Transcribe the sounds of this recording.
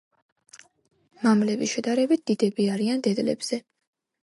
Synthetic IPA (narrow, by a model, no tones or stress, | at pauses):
mamlɛbiʃɛd̪aɾɛbit̪̚d̪̥id̪ɛbiaɾiand̪ɛd̪lɛ̰bz̥ɛ